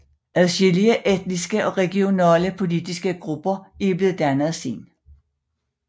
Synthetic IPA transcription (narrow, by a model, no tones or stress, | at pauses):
æðˠɕeliəʔed̥̚nisɡ̥əʔɒ̽ʁɛɡ̥io̝næːləpʰo̝lid̥isɡ̥əɡ̥ʁub̥ɐib̥le̝ːð̩ˠd̥ænəð̩ˠsḭːn